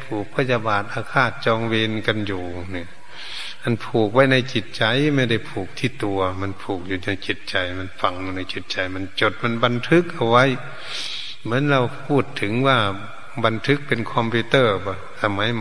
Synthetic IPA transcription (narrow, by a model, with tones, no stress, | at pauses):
pʰuː˨˩k̚pʰa˧˥˩ja˧baː˨˩t̪̚ʔaː˧kʰaː˧˩t̪̚t͡ɕɔː˧ŋweː˧nka˧njuː˨˩ | ni˧˩ɐ | ʔa˧˥˨npʰuː˨˩k̚wa˦˥˩jna˧˩jt͡ɕi˨˩t̪̚t͡ɕa˧˨jma˧jda˧˩jpʰuː˨˩k̚t̪ʰiː˧˩t̪u˧ɐma˧˥˨npʰuː˨˩k̚juː˨˩ɲa˧˩jt͡ɕi˧˩t̪̚t͡ɕa˨˧jma˧˥˨nfa˧˩ŋjuː˧na˧˩jt͡ɕi˨˧˦t̪̚t͡ɕa˨jma˧˥˨nt͡ɕo˧˩t̪̚ma˧˥˨nba˧nt̪ʰɯ˦˥k̚ʔa˧wwa˧˥˨j | mɯ˩˦ə˨nla˧wpʰuː˧˩t̪ʰːɯ˨˦ŋwaː˧˩ | ba˧nt̪ʰɯ˧˦˥k̚pe˧nkʰɔ˧mpʰi˧t̪ɤː˧˩bɔ˧˩sa˧ma˨˦jm